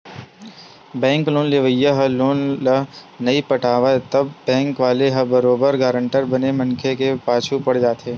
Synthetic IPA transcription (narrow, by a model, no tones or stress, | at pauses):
bɛ̃ːŋkloːnlɪʋəjəɦɐloːnlɐ | nɐipɐʈʰaːʋaet̪ɐbbɛ̃ːŋkʋaːleɦɐbɐɾoːbəɾɡaːɾə̃ɳʈəɾbɐnemɐ̃nkʰekepaːt͡ʃʰupɐɽd͡ʒaːt̪eː